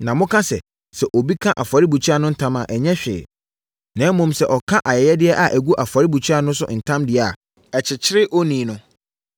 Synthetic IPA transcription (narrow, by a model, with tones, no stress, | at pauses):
nã˨mʊ̃˦kʰã˦sɛ̰˨ | sɛ˨ʔo˨bi˦kʰã˦ʔa˨fa˨ɾi˦bu˨t͡ɕʰᶣi˦a˦˨nʊ̃˦n̩˦tʰã˦ma̰˨ʔɛ˨ɲɛ̃˦ɕᶣɪ̰ː˨ | nã˨˦mʊ̃˦msɛ˨ʔɔ˨kʰã˦ʔa˨jɛ˨jɛ˦dɪ˦ɛ˦ʔa˨ʔæ˨ɡu˦ʔa˨fa˨ɾi˦bu˨t͡ɕʰɥa˦˨nʊ̃˦sʊ̰˦n̩˨tʰã˦mdɪ˨˦˨a˨ | ɛ˨t͡ɕʰɪ˨t͡ɕʰɪ˦ɾɪ˦ʔɔ˦nĩ˨nʊ̃˨